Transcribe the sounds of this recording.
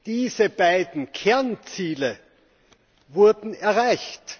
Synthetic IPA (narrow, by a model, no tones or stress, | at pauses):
d̥iːzəb̥aɪdn̩kʰɛɐnt͡siːlə | vʊɐdn̩ɛɐʁaɪçt